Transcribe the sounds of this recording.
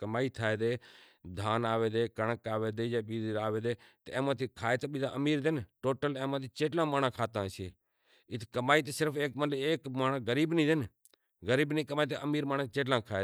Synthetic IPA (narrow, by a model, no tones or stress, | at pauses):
kəmaːiːt̪ʰaːeːd̪eː | d̪ʱaːnaːʋeːd̪eːkəɳəkaːʋeːd̪eːjaːɓiːd̪ɾaːʋeːd̪eːt̪ẽːmãːt̪iːkʰaːeːt̪eːɓiːd̪a̰ːʔəmiːɾd̪enʈoːʈəlẽːmãːt̪ʰiːt͡ʃeːʈlãːmaːnãːkʰaːt̪ãːseː | ɪt̪ʰkəmaːiːt̪eːsɪɾpʰeːkmələeːkmaːnãːɡəɾiːbnĩːd̪en | ɣəɾiːbnĩːkəmaːiːt̪eʔəmiːɾmaːnãːt͡ʃeːʈlãːkʰaːeː